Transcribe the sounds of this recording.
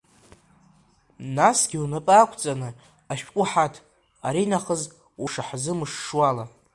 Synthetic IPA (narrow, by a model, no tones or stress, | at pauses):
nasɡʲiunɨpʼakʷʰt͡sʼanɨ | aʃᶣkʷʼʊħatʰ | a̰ɾinaχəz | uʂaħzɨmɨʂʂwala